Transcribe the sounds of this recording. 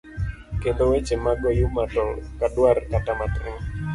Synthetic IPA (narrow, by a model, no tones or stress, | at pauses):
kend̪owet͡ʃemaɡojumat̪ɔlkaduarkat̪amat̪ʔŋ